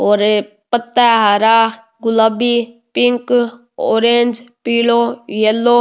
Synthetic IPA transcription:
oːɾe | pət̪aːɦaɾaː | ɡʊlabiːpɪŋk | o̰ːɾẽnd͡ʒpiːloːjəlːoː

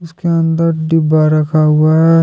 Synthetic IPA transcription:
ʊskeə̃nd̪əɾɖɪbaɾɐkʰaɦʊaɦɛ

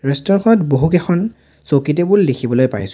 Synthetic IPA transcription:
ɹɛstɔɹkʰɔɹɔtboɦukɛxʰɔn | sokit̬ɛbulːexʰibɔlojpa̰jsʊ̥̃

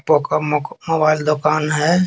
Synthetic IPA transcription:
pokamobaːɪld̪ʊkaːnɦɛ

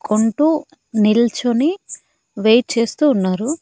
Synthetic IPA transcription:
kʰoɳʈu | nilt͡ʃoni | ʋejʈ̚t͡ʃe̞ːst̪uːnːaːɾu

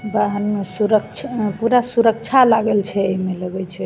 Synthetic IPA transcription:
baɦənmesuɾəkt͡ʃʰpuɾasuɾək̚t͡ʃʰalaɡəlt͡ʃʰɛəimeləɡɛt͡ʃʰɛ

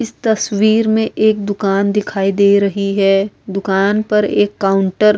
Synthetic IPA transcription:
ɪst̪ɐswiːɾmẽʔeːk̚d̪ʊkaːnd̪ɪkʰaːid̪eːɾɐɦiɦɛːd̪ʊkaːnpɐɾeːkːaːʊ̃ɳʈəɾ

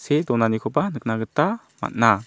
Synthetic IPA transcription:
sed̪ɔnanikʰobanɨk̚naɡɯt̪ːa | ma̰t̚na

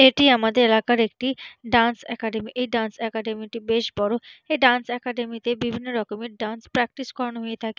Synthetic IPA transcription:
eʈiamad̪eɾelakaɾek̚ʈiɖansɛkaɖemiʔejɖansɛkaɖemiʈibeʃbɔɾueɖansɛkaɖemit̪ebibʱinːoɖɔkomẽʈ̚ɖanspɾɛk̚ʈiskɔɾɔnoɦuet̪ʰaki

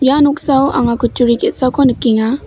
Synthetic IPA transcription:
januk̚sawa̰ŋakʰut͡ʃuɾiketsawkʰɔnɯkːiŋa

